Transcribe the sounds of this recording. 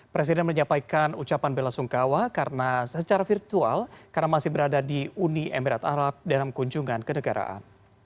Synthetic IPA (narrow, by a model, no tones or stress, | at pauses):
pɾes̬idɛnməɲapajkanut͡ʃapanbelasuŋkawakarnasət͡ʃaɾafirt̪ua̰lkarnamasɪhbəɾadadiuniʔɛmiɾat̪a̰ɾap̚dalamkuɲd͡ʒuŋankənəɡaɾa̰ʔa̰n